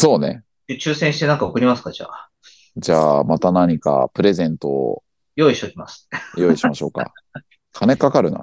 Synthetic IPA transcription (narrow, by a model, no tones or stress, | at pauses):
so̞ːne̞̰ | t͡ɕɨːsẽ̞ɰ̃ɕi̥t̪e̞nãŋkaokɯ̟ɾʲimasɨ̥kad͡ʑa̰ | d͡ʑaːmat̪anaɲ̟ika̰pɯ̟ɾe̞zẽ̞nt̪o̞̰ | jo̞iɕtokʲimasɨ̥jo̞iɕimaɕo̞ːka̰ | kʰane̞kakaɾɯ̟na̰